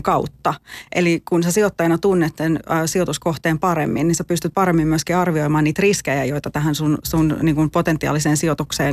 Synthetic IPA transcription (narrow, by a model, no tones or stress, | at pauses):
kɑuwt̪ːɑʔelikunsesiot̪ːɑjɑnɑt̪unːet̪senːsiot̪uskoht̪eːmpɑɾemːinːninsepyst̪yt̪̚pɑɾemːimmyøskiɑrʋiojmɑːniːt̪riskejæjo̞jt̪ɑt̪æɦænsunsunniːŋkumpot̪ent̪ːˑiɑ̰ːliseːnsiot̪ukseːn